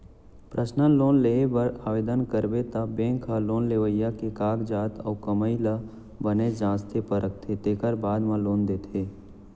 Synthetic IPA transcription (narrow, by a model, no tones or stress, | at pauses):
pɾʔəsnənloːnlebəɾaːʋeːd̪ənkəɾbet̪abẽːŋkʰaloːnleʋəjːakekaːɡd͡ʒaːt̪ɔːkəməɪlə | bəned͡ʒãːst̪ʰepəɾək̚t̪ʰet̪eːkəɾbaːd̪mãloːnd̪eːt̪ʰeː